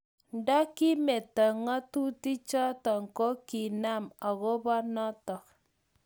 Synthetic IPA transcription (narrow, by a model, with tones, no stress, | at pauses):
n˦dɔ˦ki˦me˨tə˨ŋɔ˦tu˦ti˦t͡ʃɔ˦tɔ˨ŋ̩˨ko˦ki˨na˦ma˨ɣo˦bɔ˦nɔ˦tɔ˨k̚